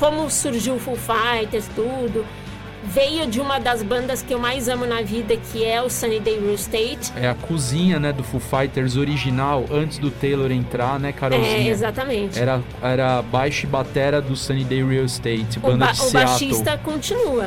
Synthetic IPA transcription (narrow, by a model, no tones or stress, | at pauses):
kõmʊsuɾʒiwfuwfajt̪eɾst̪ud̪ʊ | vejʊd͡ʒɪũmɐd̪ɐzbɐ̃nd̪ɐskɪewmajzɐ̃mʊnɐvid̪ɐkʰɪɛʊsɐ̃nid̪ejɾiwst̪ejt͡ʃɛɐkʰuzĩɲɐnɛd̪ʊfufajt̪eɾzoɾiʒinawɐ̃nt͡ʃɪzd̪ʊt̪ejloɾẽnt̪ɾaɾnɛkaɾaɛĩezat̪ɐmẽt͡ʃɪɛɾɐ | ɛɾɐbajʃʊɪbat̪ɛɾɐd̪ʊsɐ̃nid̪ejɾiɐwɪst̪ejt͡ʃɪbɐ̃nd̪d͡ʒɪʊbaaʃist̪ɐkõnt͡ʃinuɐ